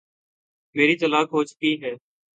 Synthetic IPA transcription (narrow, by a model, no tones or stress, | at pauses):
meːɾiːt̪əlaːkɦoːt͡ʃkiːɦɛː